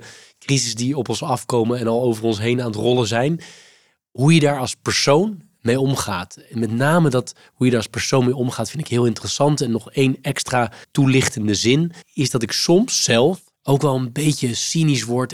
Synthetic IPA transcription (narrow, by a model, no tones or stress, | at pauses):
krizəsdiɔpɔnsɑfkowmənɛnɑlˠowvərɔnsɦejnaːnətrɔlˠəzɛjn | ɦujədaːɹɑlˠspəɹsown | mejɔmχaːtmɛtnaːmədɑt | ɦujədaːɹɑspəɹsownmejɔmχaːtfɪndtɪkɦɪːlˠɪntərəsɑntɛnːɔχejnɛkstraːtulɪχtəndəzɪnɪszdɑtɪksɔmsːɛlˠf | owkʋɛlˠənbejtəsinisʋɔɹt